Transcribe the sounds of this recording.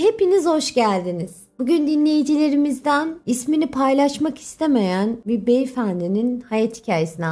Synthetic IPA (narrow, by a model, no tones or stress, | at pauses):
he̞pinizho̞ʃɟælʲd̪iniz̥b̥uɟynd̪inlʲe̞jid͡ʒilʲe̞ɾimizd̪ænisminipʰajlˠaʃmaki̥st̪ʰe̞me̞jænbibejfænd̪ininhajat̪hi̥cʰaːjesinɛ